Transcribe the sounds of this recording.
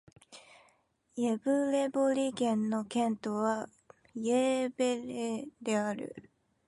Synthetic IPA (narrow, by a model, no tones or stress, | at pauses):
jebɯɾe̞boɾʲiɡẽ̞nːo̞kẽ̞nt̪oβa | jeːbeɾed̪e̞aɾɯ̰